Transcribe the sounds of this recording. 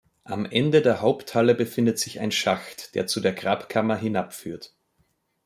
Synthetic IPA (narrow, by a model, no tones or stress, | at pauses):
ʔamʔɛndədeːɐhaʊpthaləbəfɪndətz̥ɪça̰ɪnʃaxtd̥ḛːɐt͡sudeːɐɡʁaːpkʰamɐɦɪnapfy̰ːɐt